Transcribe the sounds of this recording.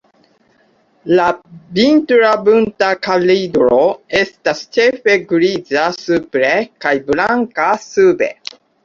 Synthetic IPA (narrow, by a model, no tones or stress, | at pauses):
labintɾabuntakalidɾoestast͡ʃefeɡɾizasupɾekajblaŋkasubḛ